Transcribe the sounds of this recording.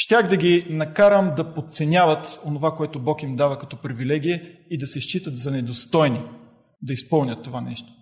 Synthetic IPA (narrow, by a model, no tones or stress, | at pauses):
ʃt̪ʲaxd̪ɐɡinɐkaɾəmd̪ɐpot̪t̪sɛnʲavət̪onovakoɛt̪obɔkimd̪avəkɐt̪ɔpɾivilɛɡ̟ijɛid̪ɐsɛʃt͡ʃit̪ət̪zɐnɛd̪ost̪ɔjni | d̪ɐispɤlˠnʲɐt̪ːovanɛ̰ʃt̪o̥